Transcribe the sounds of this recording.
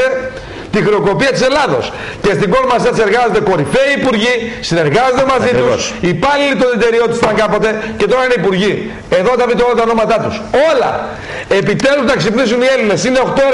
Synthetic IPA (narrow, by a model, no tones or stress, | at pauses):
e | t̪ixɾeo̞ko̞piɐt̪ise̞lɐðo̞̰s | ce̞st̪iɡo̞ɾmɐsɐt̪se̞ɾɣɐzot̪e̞ko̞ɾife̞iːpuɾʝisine̞ɾɣɐzod̪emɐzit̪usipɐlilit̪oðit̪e̞ɾio̞t̪u̥st̪ɐŋɡɐpo̞t̪e̞ce̞t̪o̞ɾɐineipuɾʝi | e̞ðot̪ɐvit̪olɐt̪ɐono̞mɐt̪ɐt̪uso̞lɐ̰ | epit̪e̞luznɐksipnisunie̞line̞sine̞o̞xt̪o̞e